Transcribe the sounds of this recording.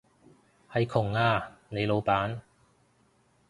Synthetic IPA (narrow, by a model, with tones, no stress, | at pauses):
hɐ˨jkʰʊ˨˩ŋaː˧ne˨˧jlo˨˧wpaː˨˥n